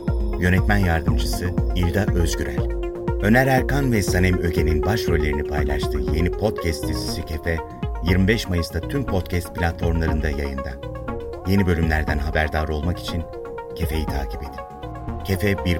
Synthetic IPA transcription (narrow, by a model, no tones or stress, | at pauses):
jø̞nɛt̪mænjaɾd̪ɯmd͡ʒɯsɯilʲd̪aʔø̞zɟyɾæ̰lʲ | ø̞næɾæɾkanvɛsanɛmø̞ɟe̞ninbaʃɾø̞lʲe̞ɾinipʰajlˠaʃt̪ʰɯːje̞nipʰo̞t̪cʰɛst̪ʰːezisicʰe̞fɛ | jiɾmibɛʃmajɯst̪ʰat̪ʰympʰo̞t̪cʰɛst̪̚pʰilʲat̪fo̞ɾmlˠaɾɯnd̪ajajɯnd̪a̰ | je̞nibø̞lʲymlʲæɾd̪ænɦabæɾd̪aːɾo̞lˠmaki̥t͡ʃʰin | cʰe̞fe̞jit̪ʰaːcʰi̥pe̞d̪i | cʰe̞fɛbiɾ